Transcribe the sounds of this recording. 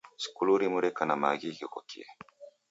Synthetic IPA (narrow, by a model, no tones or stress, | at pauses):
si̥kuɾuɾimɯɾekanamaɡʲiɡʲokokie